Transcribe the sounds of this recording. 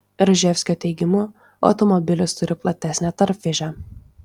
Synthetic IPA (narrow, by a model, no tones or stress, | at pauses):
ɾʒʲɛfʲsʲkʲoːt̪ʲɛɪɡʲɪmuː | ɒ̰ʊt̪ɔmɔbʲɪlʲʊst̪ʊɾʲɪplˠɐt̪ʲæsʲnʲɛt̪ɐɾʲpʲfʲɪʒʲæ